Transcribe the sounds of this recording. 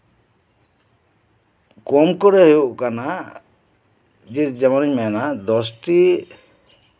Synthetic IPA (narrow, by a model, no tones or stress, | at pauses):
kɔmkɔɾɛɦeuʔkana | d͡ʒit̪d͡ʒamaniɲmɛnad̪ɔsʈi